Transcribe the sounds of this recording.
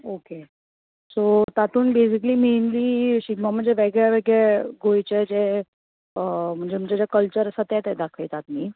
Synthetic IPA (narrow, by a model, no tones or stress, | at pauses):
oke | sot̪at̪uːnbes̬iklimenliɕiɡmam̤əɳd͡zeʋeɡɭjaʋeɡɭeɡojt͡ɕed͡ze | m̤əɳd͡zem̤əɳd͡zed͡ʑjakəlt͡ɕəɾəsat̪ɛt̪ɛd̪akʰəjt̪at̪̚miː